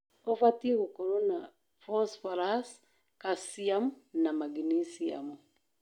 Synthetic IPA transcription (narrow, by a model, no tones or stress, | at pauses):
ɔfatiɣukɔɾɔna | fɔsfaɾas | kasiamunamaɡinisia̰mu